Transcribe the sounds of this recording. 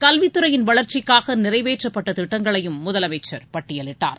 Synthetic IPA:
kɐlʋɪt̪ːɯɾɐjɪnʋɐɭɐɾt͡ʃɪkːaːɣɐnɪrɐɪʋeːʈrɐpːɐʈːɐt̪ɪʈːɐŋɡɐɭɐjɯmːʊðɐlɐmɐɪt͡ʃːɐɾpɐʈːɪjɐɭɪʈːa̰ːɾ

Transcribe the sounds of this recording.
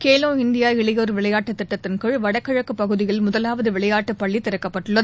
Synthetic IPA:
keːlõːɪnd̪ɪjaːɪɭɪjɐɾʋɪɭɐjaːʈːɯt̪ːɪʈːɐt̪ːɪnkɯɻʋɐɽɐkːɐɻɐkːɯpɐɣɯðɪjɪlmʊðɐlaːʋɐðɯʋɪɭɐjaːʈːɯpːɐɭːit̪ɪɾɐkːɐpːɐʈːɯɭːɐ

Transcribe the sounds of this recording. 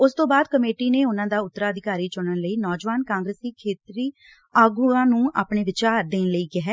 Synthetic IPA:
ʊst̪õːbaːd̪kəmeːʈiːneːʊnãːd̪aːʊt̪ːɾaːəd̪ɪkaːɾiːt͡ʃʊɳənləiːnɔːd͡ʒʋaːnkãːŋɡɾəsiːkʰeːt̪ɾiː | aːɡuãːnũːa̰ːpɳeːʋɪt͡ʃaːɾd̪eːnləiːkɪɦɛː

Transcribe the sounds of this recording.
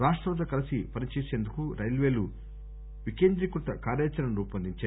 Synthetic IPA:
ʋaːʂʈɐʋɐt̪̬ɐkɐlɐsipɐnit͡ʃeːse̞ːnd̪ukuɾɐjlʋe̞ːlu | ʋike̞ːnd̪ɾiːkut̪ːɐkaːɾjaːt͡ʃɐɾɐnɾuːpɐnd̪iɲt͡ʃa

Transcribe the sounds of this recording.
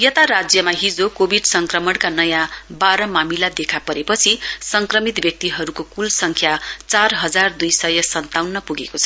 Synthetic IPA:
jʌt̪aɾad͡zjʌmaɦid͡zokobʱiɖsʌŋkrʌmʌɽkanʌjãbaɾʌmamilad̪ekʰapʌɾepʌt͡sʰisʌŋkrʌmit̪bʱjʌk̚t̪iɦʌɾukokulsʌŋkʰjat͡sarɦʌd͡zard̪ujsʌjʌsʌnt̪awnːʌpuɡekot͡sʰʌ

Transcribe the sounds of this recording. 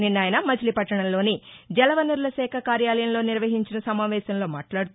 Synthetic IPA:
ninːaːjɐnɐmɐt͡ʃlipɐʈːɐɳɐmlo̞ːnid͡ʒɛlɐʋɐnɐɾlɐsɛːkʰɐkaːɾjaːlɐjɐmlo̞ːniɾʋɐɦiɲt͡ʃinɐsɐmaːʋɛːsɐmlo̞ːmaːʈlaːɽut̪

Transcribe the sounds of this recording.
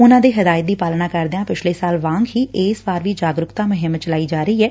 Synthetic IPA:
ʊnãːd̪eːɦəd̪aːjət̪̚d̪iːpaːlnãːkəɾd̪eːãːpɪt͡ʃʰleːsaːlʋãːŋɡɦiːʔɪsʋaːɾʋiːd͡ʒaːɡɾʊkt̪ãːmʊɦɪmːət̪t͡ʃəlaːiːd͡ʒaːɾəiːɛː

